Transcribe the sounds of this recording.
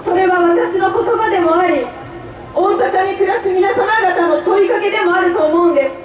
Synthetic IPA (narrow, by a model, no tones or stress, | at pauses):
so̞ɾe̞βaβat̪aɕino̞ko̞t̪o̞bad̪e̞mo̞aɾʲi | o̞ːsakaɲ̟ikɯ̟ɾasɨɡʲinasamaɡat̪ano̞t̪o̞ikake̞d̪e̞mo̞aɾɯ̟t̪o̞ːmo̞ɯ̟̃nd̪e̞sɨ̥